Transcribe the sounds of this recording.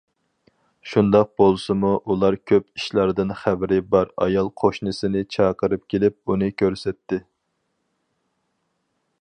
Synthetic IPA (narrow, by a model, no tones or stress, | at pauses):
ʃund̪ɑq̚bolˠsɨmuʔulˠɑɾkʲʰøpiʃlˠɑɾd̪ɨnχæbɪɾɪbɑɾɑ̰jɑlˠqʰoʃnɨsɪnɪt͡ʃʰɑqəɾɨp̚kʲelɪp̚unɨkʲʰøɾsɛt̪ːɪ